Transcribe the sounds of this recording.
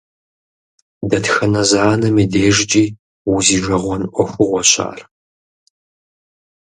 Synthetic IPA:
dɐtxɐnɐzaːnɐmideːʒt͡ʃʼiː | wʊziːʒɐʁʷɔnʔʷɔxʷʊʁʷɔɕa̰ːr

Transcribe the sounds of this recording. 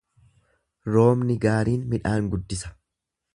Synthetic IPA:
ɾo̞ːmnɪɡaːɾiːnmɪᶑaːŋɡʊd̪ːɪsɐ̥

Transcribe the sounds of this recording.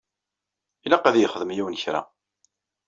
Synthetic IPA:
ilæqæðjəχəðəmjiwənçɾa̰

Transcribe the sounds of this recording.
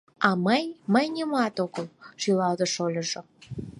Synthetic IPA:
ɑməjməjnʲəmɑt̪oɣəlʃilɑld̪əʃolʲə̆ʒo

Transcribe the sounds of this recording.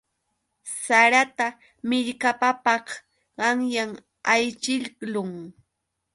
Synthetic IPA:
saɾat̪a | mɪʎkapapɑχ | ɢɑŋjaŋ | ajt͡ʃɪʎlʊŋ

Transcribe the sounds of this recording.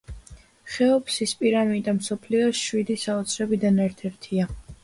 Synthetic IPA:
χɛɔpʰsispʼiɾamid̪amsɔpʰliɔsʃwid̪isaɔt̪sʰɾɛbid̪anɛɾt̪ʰɛɾt̪ʰia

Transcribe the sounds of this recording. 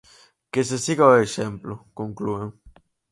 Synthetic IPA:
kes̬esiɣaoeʃemplokoŋklueŋ

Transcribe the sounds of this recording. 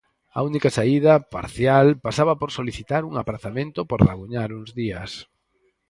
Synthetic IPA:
a̰unikasaiðɐpa̰ɾθjalpasaβapoɾsoliθit̪aɾuŋapɾaθamẽnt̪opoɾlaɣuɲaɾuŋzðiɐs

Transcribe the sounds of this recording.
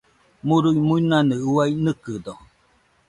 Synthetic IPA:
muɾujmuinanɯuajnɨkɨd̪o

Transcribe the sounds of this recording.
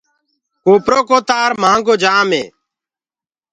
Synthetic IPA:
koːpɾoːkoːt̪aːɾmãːŋɡoːd͡ʒaːmḛː

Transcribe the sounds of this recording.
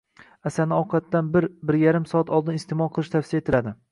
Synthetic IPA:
asanɪɒqʰɑt̪ːanbɪɾbɪɾjaɾɪmsɒat̪ʰɒlˠd̪ɪnɪst̪ʰemɒlˠqʰɨlˠɪʃt̪ʰafsijaet̪ʰɪlad̪ɪ

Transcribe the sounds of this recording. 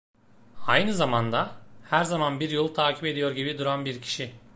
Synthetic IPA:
ajnɯzamand̪ahæɾzamanbiɾjolˠt̪ʰaːcʰipe̞d̪ijo̞ɾɟibid̪uɾanbiɾcʰi̥ʃi

